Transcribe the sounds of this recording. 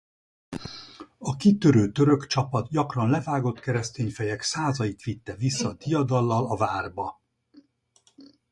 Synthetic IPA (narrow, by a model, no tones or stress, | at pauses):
ɒkit̪øɾøːt̪ø̞ɾø̞kt͡ʃɒpɒt̪ɟɒkrɒnlɛvaːɡo̞t̪kɛɾɛst̪eːɲfɛjɛksaːzɒjit̪ʋit̪ːɛvisːɒt̪ijɒd̪ɒlːɒlɒvaːrbɒ